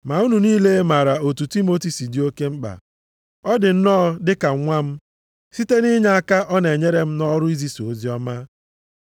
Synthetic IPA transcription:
ma˨u˦nu˨niː˦le˦ma˨ɾa˨o˨tu˨ti˦mo˦ti˨si˨dɪ˨˦o˦ke˦ŋ͡m̩˦k͡pa̰˨ | ɔ˦dɪ˨n̩˦nɔː˦dɪ˦ka˨˦ŋʷa˦m̩˦ | si˦te˦ni˦ɲa˦a˦ka˦ʔɔ˦ne˨ɲe˦ɾe˦m̩˦nɔ˦ɾʊ˦i˦zi˦so˨˦zi˦ɔ˦ma˦

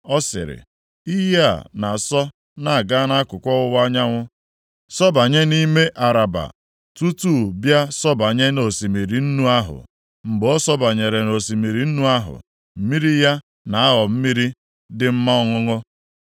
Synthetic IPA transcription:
ɔ˦sɪ̰˨ɾɪ̰˨ | i˦ɦe˦a̰˨na˨sɔ˦ | na˨a˨ɡa˦na˦a˦kʊ˨kʷɔ˦ʊ˦wa˦ɲa˦ŋʷʊ˦ | sɔ˦ba˨ɲe˦ni˦me˦ʔa˨ɾa˨ba̰˨ | tu˦tuː˦˨bja˦sɔ˦ba˨ɲe˦no˨si˨mi˨ɾi˨n̩˦nu˦a˦ɦʊ̰˨ | ŋ͡m̩˨ɡ͡bɔ˦sɔ˦ba˨ɲe˨ɾe˨no˨si˨mi˨ɾi˨n̩˦nu˦a˦ɦʊ̰˨ | m̩˦mi˦ɾi˦ja˦ | na˨a˦ɦɔ˨m̩˦mi˦ɾi˦ | dɪ˨m̩˦ma˦ɔ˦ŋʊ˦ŋʊ˦

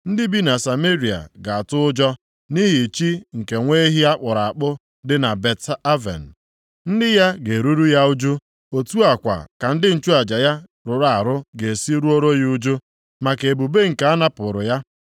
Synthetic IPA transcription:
n̩˦dɪ˦bi˦na˨sa˨me˦ɾi˨a̰˨ɡa˨a˨tʊ˦ʊ˦d͡ʒɔ˦ | ni˦ɦi˨t͡ʃi˦ŋ̩˨ke˨ŋʷe˦ɦi˦a˦k͡pʊ˨ɾa˨a˨k͡pʊ˦ | dɪ˦na˨be˨ta˦vḛ˨n̩˨ | n̩˦dɪ˦ja˦ɡe˨ɾu˦ɾu˦ja˦ʊ˦d͡ʒu˦ | o˨tu˦a˨kʷa̰˨ka˨n̩˦dɪ˦n̩˨t͡ʃu˦a˨d͡ʒa˨ja˦ | ɾʊ˨ɾa˨a˨ɾʊ˦ɡe˨si˦ɾu˦o˦ɾo˦ɣi˦ʊ˦d͡ʒu˦ | ma˨ke˨bu˨be˦ŋ̩˨ka˨a˦na˦pʊ˨ɾʊ˨ja˦

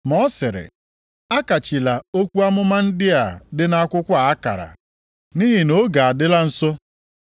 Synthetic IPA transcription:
mɔ˦sɪ˨ɾɪ̰˨ | a˦ka˨t͡ʃi˨la˨o˦kʷu˦a˦mʊ˦ma˦n̩˦dɪ˦a˨dɪ˦na˦a˦kʷʊ˦kʷa˦˨a˦ka̰˨ɾa̰˨ | ni˦ɦi˨no˦ɡa˨a˨dɪ˦la˦n̩˨so˦

